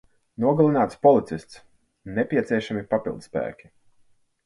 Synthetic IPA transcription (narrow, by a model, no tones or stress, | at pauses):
nuɔɡalˠinaːt̪spɔlˠit̪sist̪s | nɛpʲiɛt̪sʲiɛʃamipapilˠd̪spæ̰ːkʲi̥